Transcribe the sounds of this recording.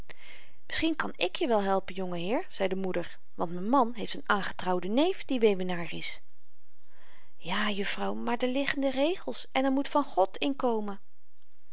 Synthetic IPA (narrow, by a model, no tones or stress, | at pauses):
mɪsχinkɑnɪkjəʋɛlˠɦɛlˠpənjɔŋəɦɪːɹz̥ɛjdəmudəɹ | ʋɑntmɛnmɑnɦejftənaːnχə̥trɑwdənejfdiʋejʋənaːrɪs | jaːjɵfrɑwmaːɹdəlɪχəndərejχəlˠsʔɛnɛɹmutfɑnχɔtɪnkowmən